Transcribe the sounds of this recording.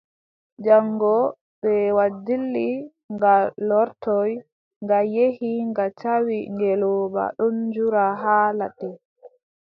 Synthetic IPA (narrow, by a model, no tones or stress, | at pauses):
d͡ʒaŋɡɔ | ɓɛwadilːi | ŋɡalɔɾtɔj | ŋɡajehiŋɡat͡ʃawiŋɡɛlɔːba̰ɗɔnd͡ʒuɾaɦaːlaɗɛ